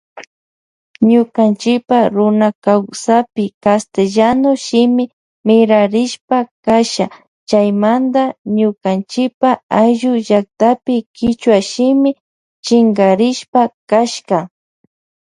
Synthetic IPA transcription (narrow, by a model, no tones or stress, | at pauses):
ɲʊkant͡ʃɪpaɾʊnakawsapɪkast̪eʎanoʃɪmɪ | mɪɾaɾɪʃpakaʃa | t͡ʃajmand̪aɲʊkant͡ʃɪpaajʒʊʒak̚t̪apɪkɪt͡ʃwaʃɪmɪ | t͡ʃɪŋɡaɾɪʃpakaʃka